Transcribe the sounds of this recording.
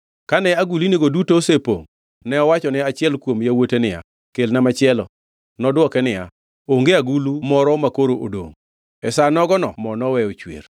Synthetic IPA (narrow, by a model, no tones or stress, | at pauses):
kanɛaɡulineɡodutosepo̰ŋ | nɛɔwat͡ʃɔnɛat͡ʃɪɛlkwomjawotenɪja̰ | kelnamat͡ʃɪɛlɔ̰ | nɔdwɔkɛnɪja̰ | oŋɡeaɡulumɔɾɔmakoɾoʔodo̰ŋ | ɛsanɔɡɔnɔmɔnɔwɛot͡ʃwḛr